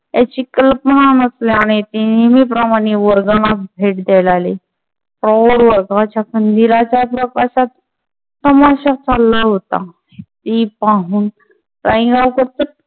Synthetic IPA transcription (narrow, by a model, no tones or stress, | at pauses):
jat͡ɕikəlpənanəsleaɽ̃it̪inemiːp̬ɾəmaɽ̃eʋəɾɡalabʱeʈ̚d̪ɛlale | fɾɔɽʋəɾɡat͡ɕjakənd̪ilat͡ɕjapɾəkaɕat̪̚ː | əmaɕat͡salːaɦot̪a̰ | it̪ipaɦuːn | ɾãĩɡaukəɾt̪ət̪̚